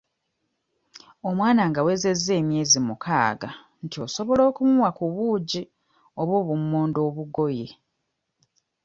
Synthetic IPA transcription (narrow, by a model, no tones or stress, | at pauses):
o̞mwaːnaŋɡawe̞ːze̞zːe̞ːmje̞ːzimukaːɡa̰ | ntio̞so̞βo̞lo̞ːkumuwakuβuːɟi | o̞βoːβumːoːndo̞ːβuɡo̞je̞